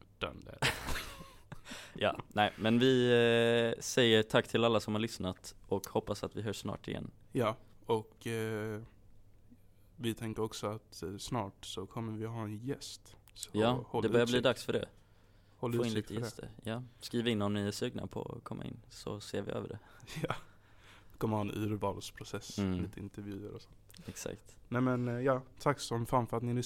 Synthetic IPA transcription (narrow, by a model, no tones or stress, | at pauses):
d̪̥ɛ̰nd̪ɛ | jɑ̰ːnɛɪmɛnvɪ | sɛjːəɾʈʰakːt̪ʰɪlalːasɔmhaɾɭʏsnat̪ʔɔkhɔpːasat̪vɪɦœʂːnɑ̰ːʈɪjɛ̰nːjːɔk | vɪt̪ʰɛŋkəɾɔksɔat̪snɑːʈsɔkʰɔmːəɾvɪhɑːɛnjɛst̪sɔjɑːhɔld̪ɛbœɾjabliːd̪aksfœɖɛ̰ | hɔfoːɪnliːt̪əjɛst̪ʰə̰ɾjɑːskɾiːvaɪnːɔmnɪɛsʉ̟ːɡna̰pʰɔɔ̰kʰɔmːaɪ̰nːsɔseːɾvɪ̰ʔø̰ːvəɖɛjɑː | kʰɔmːəɾhɑːɛnʉ̟ːɾvɑːlspʰɾʊsɛsliːt̪əɪ̰nt̪əɾvjʉ̟ːəɾɔsɔ̥nt̪ɛksa̰kt̪nɛmɛnjɑːt̪ʰakːsɔmfɾamfœɾat̪nɪŋnɪ